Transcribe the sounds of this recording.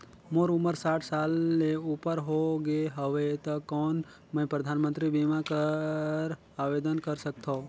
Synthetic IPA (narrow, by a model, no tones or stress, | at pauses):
moɾʊməɾsaːʈʰsaːlːeupəɾɦoɡeɦəʋet̪əkɔːn | mə̃ĩpɾəd̪ʱaːnmə̃nt̪ɾibimakəɾ | aːʋed̪ənkəɾsək̚t̪ʰo